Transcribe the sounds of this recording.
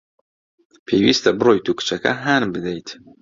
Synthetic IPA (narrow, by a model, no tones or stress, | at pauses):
pʰejwist̪ʰɐbɨrojt̪ʰukʰɨ̥t͡ʃʰɐkʰɐ̰ɦanmbɨd̪ejt̪ʰ